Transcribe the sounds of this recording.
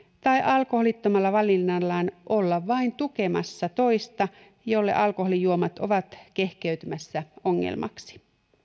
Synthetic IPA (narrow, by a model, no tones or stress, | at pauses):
t̪ɑiʔɑlkoholit̪ːomɑlːɑʋɑlːˑinːɑlːɑːnʔolːɑʋʋɑint̪uke̞mɑ̰sːɑt̪o̞ist̪ɑ | jolːḛʔɑlkoɦolijuomɑt̪o̞̰ʋɑt̪ke̞hkeyt̪ymæsːæoŋːḛlmʔɑ̰ksi̥